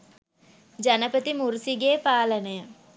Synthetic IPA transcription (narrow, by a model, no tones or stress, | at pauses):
d͡ʒɐnəpət̪imuɾsiɡeːpaːlənəjə